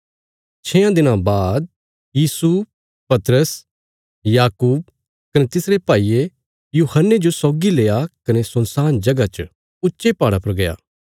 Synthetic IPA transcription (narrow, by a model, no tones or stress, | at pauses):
t͡ʃʰeːãd̪ɪnãbaːd̪̚ | jiːsu | pɐt̪ɾəs | jaːkuːb̚ | kɐnet̪ɪsɾepaːiːe | juːhənːed͡ʒosɔːɡileːakɐnesʊ̃nsaːnd͡ʒɐɡat͡ʃə | ʊtːʃepaːɽapɐɾɡɐja̰ː